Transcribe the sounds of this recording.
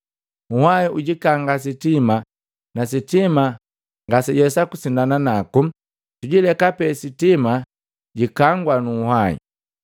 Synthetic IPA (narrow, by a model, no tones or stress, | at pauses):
uhaiʔuɟikaŋɡas̬itima | nas̬itima | ŋɡasiɟɛsakusindananaku | tuɟilɛkapɛsitima | ɟikaŋɡwanuːhaḭ